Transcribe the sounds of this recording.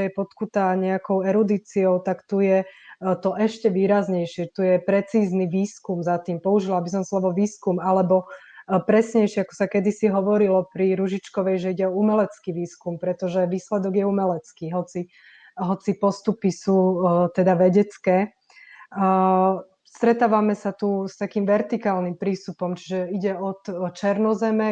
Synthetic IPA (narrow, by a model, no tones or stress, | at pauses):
ɛjɛpɔt̪kut̪aɲɛakɔʊɛɾud̪iːt͡siɔʊt̪akt̪ujɛt̪ɔʔɛʃcɛʋiːɾazɲɛjʃɪɛt̪ujɛpɾɛt͡siːzniʋiːskumzat̪iːmpɔuʒilabis̬ɔmslɔʋɔʋiːskumalɛbɔ | pɾɛsɲɛjʃɪɛakɔ̥sakɛd̪isiɦɔʋɔɾilɔpɾiɾuʒit͡ʃkɔʋɛjʒɛiɟɛɔumɛlɛt͡skiːʋiːskumpɾɛt̪ɔʒɛʋiːslɛd̪ɔɡjɛumɛlɛt͡skiːɦɔt͡si | ɦɔt͡sipɔst̪upisuːt̪ɛd̪aʋɛɟɛt͡skɛː | st̪ɾɛt̪aːʋamɛsat̪ust̪akiːmʋɛɾt̪ikaːlnimpɾiːst̪upɔmt͡ʃi̥ʒɛiɟɛɔt̪t͡ʃɛɾnɔzɛmɛ